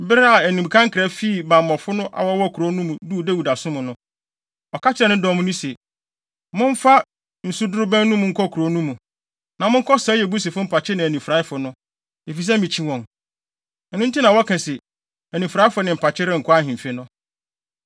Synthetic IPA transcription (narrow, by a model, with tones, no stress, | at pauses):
m̩˦bɪ˦ɾa˦a˨æ˨nĩ˨m˨kʰã˦ŋ̩˦kʰɪ˨ɾɛ˨˦fi˦˨bã˨m˨mɔ̃˨fʊ˦nʊ̃˦ʔa̰˨wɔ˦wɔ˦˨kʰɾo˨˦nũ˦mũ˨du˦˨dæ˦wu˨da˨sʊ̃˦mʊ̃˨nʊ̃˦ | ɔ˨kʰa˦t͡ɕɪ˦ɾɛ˨nʊ̃˦dɔ˦mʊ̃˦nĩ˦sɛ˨ | mʊ̃˦ɱ̩˦fa˦ | n̩˨su˦dʊ˦ɾʊ˦bæ̃˦nũ˦mʊ̃˨ŋ̩˦kʰɔ˦kʰu˨ɾo˨˦nũ˦mũ˨ | nã˨mʊ̃˦ŋ̩˦kʰɔ˦sa˦jɛ˨bu˦sɪ˨fʊ˦m̩˦pʰa˨t͡ɕʰɪ˦nɪ̃˨æ˨nĩ˨fɾa˨˦ɪ˦fʊ˨nʊ̃˦ | e˨fi˨s̬ɛ˦mĩ˨t͡ɕʰĩ˦wɔ̃˨ŋ̩˨ | nʊ̃˦n̩˦tʰi˦nã˨wɔ˦kʰɛ̃˨sɪ˨ | æ˨nĩ˨fɾa˨˦ɪ˦fʊ˨˦nɪ̃˨m̩˨pʰa˨t͡ɕʰɪ˦ɾɪ˦ŋ̩˨kʰʊ˦a˦˨ɦɪ̃˨m˨fe˦nʊ̃˦